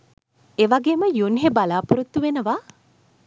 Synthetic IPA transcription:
eʋaɡeːməjunɦebalaːpuɾut̪ːuʋenəʋa

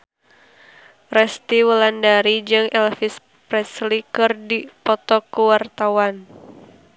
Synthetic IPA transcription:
rɛst̪iwəlandaɾid͡ʒɨŋɛlfis | pɾɛslikɨrdipɔt̪ɔkəwart̪awan

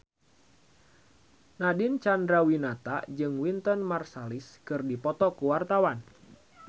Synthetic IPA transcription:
nadint͡ʃandɾawinat̪a̰d͡ʒɨŋwint̪ɔnmarsaliskɨrdipɔt̪ɔkuwart̪awan

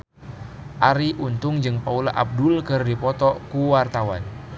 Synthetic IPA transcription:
ʔaɾiʔunt̪ʊŋd͡ʒɨŋpaula̰ʔab̚dʊlkɨrdipɔt̪ɔkuwart̪awa̰n

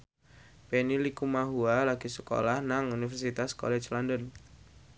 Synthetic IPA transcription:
penilikumaɦualaɡ̥i̤sə̥ko̰lahnaŋunifɛrsit̪askɔ̰lɛ̥t͡ʃlɔndən

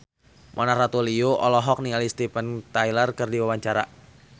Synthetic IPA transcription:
mʔɔnarat̪olioʔɔlɔɦɔk̚niŋalist̪ipənt̪ailərkɨrdiwawaɲt͡ʃaɾa̰

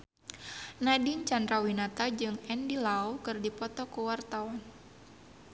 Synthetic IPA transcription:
nadint͡ʃand̪ɾawinat̪ad͡ʒɨŋɛndilaɔkɨrdipɔt̪ɔkuwart̪awan

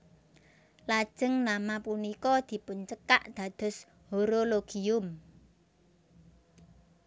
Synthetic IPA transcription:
lad̥ʒ̥ə̤ŋnamapunikɔd̪̥i̤pʊnt͡ʃəkaʔd̪̥a̤d̪̥ɔ̤s | hoɾoloɡ̥iʊm

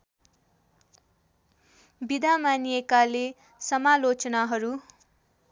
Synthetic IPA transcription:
bid̪ʱamanijekale | sʌmalot͡sʌnaɦʌɾu

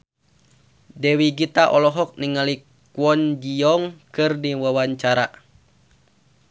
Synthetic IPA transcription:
dɛwiɡit̪aʔɔlɔɦɔk̚niŋali | kwɔnd͡ʒiɔŋkɨrdiwawaɲt͡ʃaɾa

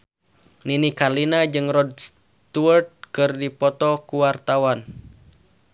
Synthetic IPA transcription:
ninikalinad͡ʒɨŋrɔd̚s | t̪uərt̪̚kɨrdipɔt̪ɔkuwart̪awan

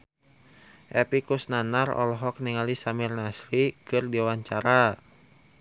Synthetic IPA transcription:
ʔɛpikusnanarɔ̰lɔɦɔk̚niŋalisamirnasɾikɨrdiwaɲt͡ʃaɾa

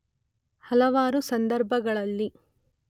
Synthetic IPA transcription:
hɐlɐʋaːɾusɐnd̪ɐɾbʱɐɡɐɭɐlːi

